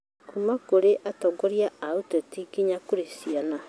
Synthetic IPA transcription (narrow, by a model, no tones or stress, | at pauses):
omakoɾeʔatɔɡɔɾiaaotɔtikiɲakoɾesiana